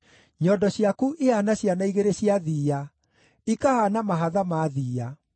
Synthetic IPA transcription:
ɲɔdɔɕijakuʔeanaɕjanaiɣeɾeɕiaðiːa | ikahanamaɦaðamaðiːa

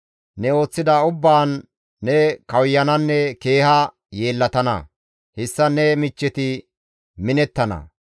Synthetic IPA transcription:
nɛo̞ːt͡sːɪd̪ɐʊbːaːnː | ɛkɐwjːɐnɐnːɛke̞ːhɐ | je̞ːlːɐt̪ɐnɐ̰ | hɪsːɐnɛmɪt͡ʃːɛt̪ɪ | mɪnɛt̪ːɐnɐ̰

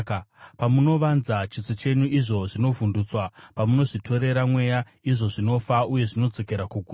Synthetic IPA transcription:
pamuno̞ʋanzat͡ʃit͡sit͡ʃe̞ɲuʔiʐo̞ʐino̞vundut͡swapamuno̞ʐitʰo̞ɾe̞ɾamwe̞ja | iʐo̞ʐino̞fauje̞ʐino̞d͡zo̞ke̞ɾakuɡʱuː

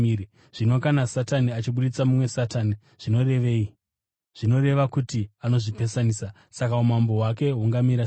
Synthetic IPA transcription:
ii | ʐ̥ino̞kanasataniat͡ʃiɓuɗit͡samumwe̞sataːni | ʐ̥ino̞re̞ʋe̞ːi | ʐ̥ino̞re̞ʋakutiano̞ʐipe̞saniːsa | sakaumambo̞wake̞ɦuŋɡamiɾa

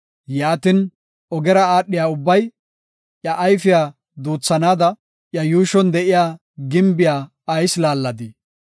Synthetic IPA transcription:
jaːt̪ɪn | ɔɡɛɾɐaːɗːɪjaːʊbːɐj | ʔjɐʔːjfɪjaː | d̪uːt͡sːɐnaːd̪ɐ | ʔjɐjuːʃɔnd̪ɛʔɪjaː | ɡɪmbɪjaː | ɐjslaːlːɐd̪ɪ

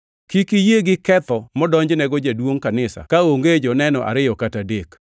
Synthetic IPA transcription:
kikijeɡɪkɛt̪ɔmɔdɔɲd͡ʒnɛɡɔd͡ʒadwoŋkanɪsa̰kaoŋɡed͡ʒɔnɛnɔʔa̰ɾɪjɔkatadek

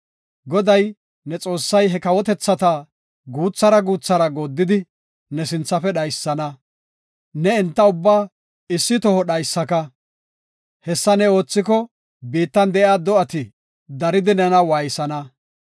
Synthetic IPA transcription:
ɡɔd̪ɐj | nɛt͡sʼo̞ːsːɐjɦɛkɐwɔt̪ɛt͡sːɐt̪ɐ | ɡuːt͡sːɐɾɐɡuːt͡sːɐɾɐɡoːd̪ːɪd̪ɪ | nɛsɪnt͡sːɐfɛɗɐjsːɐnɐ | nɛɛnt̪ːɐʊbːaː | ɪsːɪt̪ɔhɔɗɐjsːɐkɐ | hɛsːɐnɛo̞ːt͡sːɪk̬ɔ | biːt̪ːɐnd̪ɛʔaːd̪ɔɐt̪ɪ | d̪ɐɾɪd̪ɪnɛnɐwaːjsɐnɐ

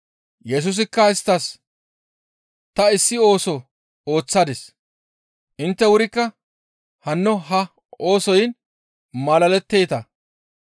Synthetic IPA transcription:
jɛs̬ʊs̬ɪkːɐɪst̪ːɐs | t̪ɐɪsːɪo̞ːsɔ | o̞ːt͡sːɐd̪ɪs | ʔɪnt̪ːɛwʊɾɪkːɐ | hɐnːɔɦɐ | o̞ːsɔjɪn | mɐlɐlɛt̪ːeːt̪ɐ

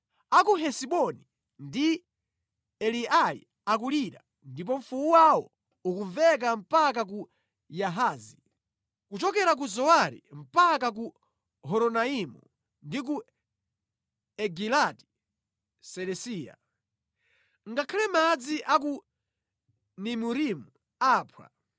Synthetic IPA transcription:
akuɦɛsiɓɔni | ndi | ɛlialḭ | ak̬uliɾa | ndip̬ɔɱ̩fuuwawɔ | ukuɱvɛk̬am̩pak̬ak̬u | jaɦaːzi | kut͡ʃɔkɛɾak̬uzɔwaɾḭm̩pakak̬u | hɔɾɔnaimṵ | ndik̬u | ɛɡilati̥ | sɛlɛsiːja̰ | ŋɡakʰalɛmad͡ziʔak̬u | nimuɾimu | aːpʰwa̰

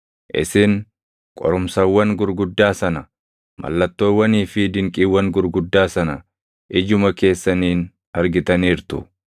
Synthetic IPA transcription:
ʔɪ̰sɪn | kʼɔ̰ɾʊmsɐwːɐŋɡʊɾɡʊd̪ːaːsɐnɐ | mɐ̰lːɐt̪ːo̞ːwːɐniːfɪd̪ɪŋkʼiwːɐŋɡʊɾɡʊd̪ːaːsɐnɐ | ʔɪd͡ʒʊmɐke̞ːsːɐniːn | ɐɾɡɪt̪ɐniːɾt̪ʊ̰

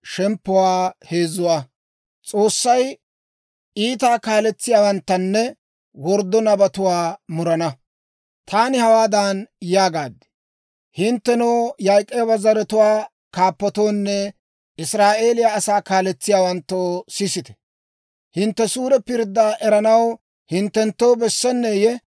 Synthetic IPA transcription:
ʃɛmpːʊwaːhe̞ːzʊwaː | t͡sʼo̞ːsːɐj | iːt̪aːkaːlɛt͡sːɪjaːwɐnt̪ːɐnːɛ | wɔɾd̪ːɔnɐbɐt̪ʊwaːmʊɾɐnɐ | t̪ʰaːnɪhɐwaːd̪aːnjaːɡaːd̪ːɛ̥ | hɪnt̪ːɛnoːjɐjkʼːɛjbɐzɐɾɛt̪ʊwaː | kaːpːɔt̪o̞ːnːɛ | ɪsɾaːʔe̞ːlɪjaːsaːkaːlɛt͡sːɪjaːwɐnt̪ːoːsɪsɪt̪ɛ̥ | hɪnt̪ːɛsuːɾɛpɪɾd̪ːaʔɛɾɐnɐw | hɪnt̪ːɛnt̪ːowbɛsːɛnːeːjɛ

